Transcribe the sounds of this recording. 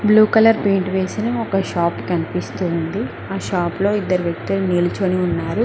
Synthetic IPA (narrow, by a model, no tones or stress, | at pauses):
bluːkɐlɐɾpeːɳʈʋeːsinɐɔkɐʃaːpkɐnipist̪uːnd̪i | aːʃaːplo̞ːid̪ːɐɾuʋjɐk̚t̪uluniːlut͡ʃoniunːaːɾu